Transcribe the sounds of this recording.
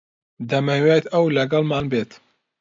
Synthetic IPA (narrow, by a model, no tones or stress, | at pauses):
d̪ɐmɐwet̪ɐwlɐɡɐlmaːnbeːt̪